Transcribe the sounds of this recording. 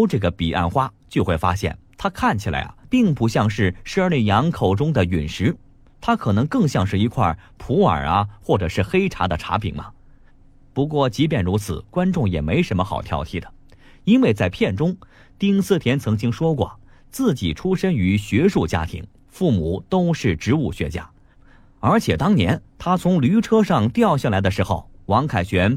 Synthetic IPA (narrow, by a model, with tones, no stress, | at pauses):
ʈ͡ʂɤ˥˩ɡə˩pi˨˩ʔa̰˥˩nxwa˥t͡ɕjo˥˧xwe˥˩ɪfa˥ɕjɛ̰˥˩nt̪ʰa˥kʰa˥˩nt͡ɕʰi˨˩lʔa̰˧˥ɪɐ̰˩pi˥˩ŋpu˧˥ɕjɑ˥˧ŋʂɻ̩˥˩ʂə˥li˥˩jɑ˧˥ŋkʰo˨˩ʊʈ͡ʂʊ˥ŋd̪ə˨y˨˩nʂɻ̩˧˥ | t̪ʰa˥kʰɤ˨˩nɤ˧˥ŋkɤ˥˧ŋɕjɑ˥˧ŋʂɻ̩˥˩i˧˥kʰwa̰˥˩pʰu˧˥ə̰˞˨˩ɐ˦xwɔ˥˩ʈ͡ʂɤ˨˩ʂɻ̩˥˩xe˥ɪʈ͡ʂʰa˧˥d̪ə˨ʈ͡ʂʰa̰˧˥pʰḭ˨˩ŋmɐ̰˧ | pu˧˥k̬wɔ˥˩t͡ɕi˧˥p̬jɛ˥˩nɻu˧˥t͡sʰɹ̩˨˩kwa˥nʈ͡ʂʊ˥˩ŋjɛ̰˨˩me˧˥ɪʂə˧˥nmə˧xɑ̰˨˩ʊt̪ʰjɑ̰˧˥ʊt̪ʰḭ˥˩d̪ə˩ | i˥nwe˥˧ɪt͡sa˥˧ɪpʰjɛ˥˩nʈ͡ʂʊ˥ŋ | t̪i˥ŋsɹ̩˥˩t̪ʰjɛ˧˥nt͡sʰɤ˧˥ŋt͡ɕi˥ŋʂwɔ˥k̬wɔ̰˥˩ | t͡sɹ̩˥˩t͡ɕi˨˩ʈ͡ʂʰu˥ʂə˥ny˧˥ɕɥɛ˧˥ʂu˥˩t͡ɕja̰˥t̪ʰḭ˧˥ŋ | fu˥˩mu˨˩˦t̪o˥ʊʂɻ̩˥˩ʈ͡ʂɻ̩˧˥u˥˩ɕɥɛ̰˧˥t͡ɕja̰˥˩ | ə˞˧˥t͡ɕʰjɛ˨˩t̪ɑ˥ŋnjɛ̰˧˥nt̪ʰa˥t͡sʰʊ˧˥ŋly˧˥ʈ͡ʂʰɤ˥ʂɑ˥˧ŋt̪jɑ˥˧ʊɕja˥˩la˧˥ɪd̪ə˧ʂɻ̩˧˥xo˧˩ʊwɑ˧˥ŋkʰa˨˩ɪɕɥɛ˧˥n